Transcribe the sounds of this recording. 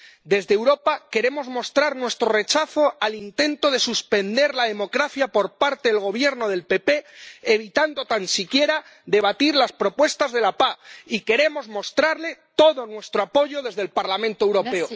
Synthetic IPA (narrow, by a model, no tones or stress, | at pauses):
d̪e̞zðeːwɾo̞pake̞ɾe̞mo̞zmo̞st̪ɾaɾnwe̞st̪ɾo̞re̞t͡ʃaθo̞alint̪e̞nt̪o̞ðe̞suspe̞nd̪e̞ɾlaðe̞mo̞kɾaθjapo̞ɾpaɾt̪eðelɣo̞β̞je̞ɾno̞ð̞e̞lpe̞pe̞ːβ̞it̪and̪o̞t̪ansikje̞ɾa | ðe̞β̞at̪iɾlaspɾo̞pwe̞st̪azðe̞lapaike̞ɾe̞mo̞zmo̞st̪ɾaɾle̞t̪o̞ðo̞nwe̞st̪ɾoapo̞ʝo̞ðe̞zð̞e̞lpaɾlamẽnt̪oewɾo̞pe̞o